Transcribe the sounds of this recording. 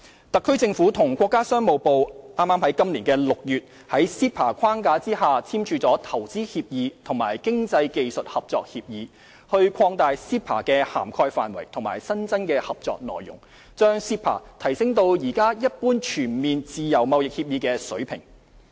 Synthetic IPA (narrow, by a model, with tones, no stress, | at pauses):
t̪ɐ˨kʰːɵ˥t͡sɪ˧ŋfuː˨˥t̪ʰʊ˨˩ŋkʷɔː˧kːaː˥sœː˥ŋmo˨wpo˨wʔaː˥mːaː˥mhɐ˨˥jkɐ˥mliː˨˩nkɛː˧lʊ˨k̚jyː˨t̚ | hɐ˨˥jsiː˥pʰaː˨˩kʷʰaː˥ŋkaː˨˧t͡siː˥ɦaː˨t͡sʰiː˥mt͡ʃʰyː˧t͡sɔː˨˥t̪ʰɐ˨˩wt͡siː˥hiː˧p̚jiː˨˧t̪ʰʊ˨˩ŋmaː˨˩jkɪ˥ŋt͡sɐ˧jke˨jsɵ˨t̚hɐ˨p̚t͡sɔ̰ː˧k̚hiː˧p̚jiː˨˧ | hɵ˧ɥkʰɔː˧ŋt̪aː˨˧jsiː˥pʰa̰ː˨˩kɛː˧ha̰ː˨˩mkʰɔː˧jfa̰ː˨nwɐ̰˨˩jt̪ʰʊ˨˩ŋmaː˨˩jsɐ˥nt͡sɐ˥nkɛː˧hɐ˨p̚t͡sɔ̰ː˧k̚nɔ̰ː˨jːʊ̰˨˩ŋ | t͡ʃœː˥ŋsiː˥pʰa̰ː˨˩t̪ʰɐ˨˩jsɪ˥ŋt̪o˧wjiː˨˩kaː˥jɐ˥t̚puː˥nt͡ʃʰyː˨˩nmiː˨nt͡siː˨˧jɐ˨˩wmɐ˨˧wjɪ˨k̚hiː˧p̚jiː˨˧kɛː˧sɵ̰˨˥pʰɪ̰˨˩ŋ